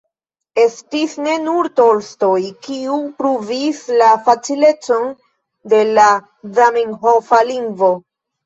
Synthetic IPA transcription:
e̞stisne̞nuɾtolsto̞jkiupɾuvislafat͡sile̞t͡so̞n | de̞la | zamiŋɦofaliŋɡvo̞

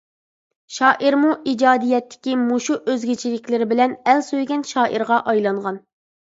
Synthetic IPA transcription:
ʃɑːʔiɾmuʔid͡ʒɑːd̪ijɛt̪ʰːɪ̥kʲimuʃuʔøzɡʲet͡ʃʰilɪkʲlɪɾɪbɪlɛnɛlsøjɡʲɛnʃɑːʔiɾʁɑʔɑjlˠɑŋʁɑn

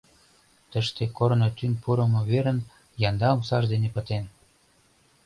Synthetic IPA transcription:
t̪ə̆ʃt̪ekoɾnot̪ynpuɾə̆mŏβeɾə̆n | jɑnd̪ɑmsɑʒd̪enepə̆t̪en

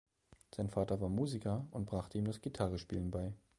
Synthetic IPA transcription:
z̥aɪnfaːtɐvaːɐmuːzikɐʊnt̚b̥ʁaχtəiːmdasɡ̥itʰaʁəʃpiːlənbaɪ

